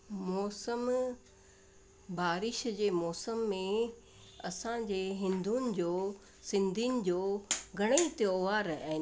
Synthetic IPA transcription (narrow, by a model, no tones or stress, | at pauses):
mɔːsəm | baːɾɪʃd͡ʑeːmɔːsəmːẽ | ɐsãd͡ʑeːɦɪ̃nd̪unɪ̆d͡ʑoː | sɪ̃nd̪ʱinɪ̆d͡ʑoːɡʱɐɽ̃eit̪ijoːʋaːɾɛ̃ː